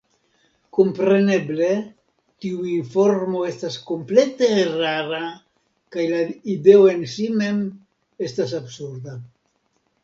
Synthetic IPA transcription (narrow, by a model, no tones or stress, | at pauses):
ko̞mpɾe̞ne̞ble̞ | tiuinfo̞ɾmo̞e̞stasko̞mple̞te̞raɾa | kajlaide̞oe̞nsime̞m | e̞stas̬absuɾd̪a